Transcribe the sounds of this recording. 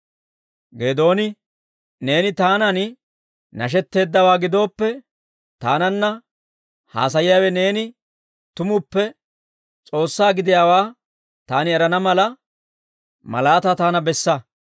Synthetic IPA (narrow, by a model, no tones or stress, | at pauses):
ɡe̞ːd̪o̞ːnɪ | ne̞ːnɪt̪aːnɐnɪ | nɐʃ̬ɛt̪ːe̞ːd̪ːɐwaːɡɪd̪o̞ːpːɛ | t̪aːnɐnːɐ | ha̰ːsɐjɪjaːwɛne̞ːnɪ | t̪ʊmʊpːɛ | t͡sʼo̞ːsːaːɡɪd̪ɪjaːwaː | t̪aːnɪɛɾɐnɐmɐlɐ | mɐ̰laːt̪at̪aːnɐbɛsːɐ